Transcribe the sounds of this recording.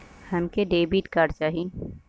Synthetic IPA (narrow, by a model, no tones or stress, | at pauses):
hɐmkeɖeːbiːʈkaːɾɖ̚t͡ʃaːɦie